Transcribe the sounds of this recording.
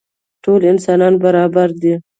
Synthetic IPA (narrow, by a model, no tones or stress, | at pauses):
ʈolɪnsɑnɑnbaɾɑbaɾd̪i